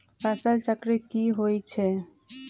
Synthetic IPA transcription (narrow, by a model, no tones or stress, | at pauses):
pasəlt͡ʃəkɾikiɦojt͡ʃʰe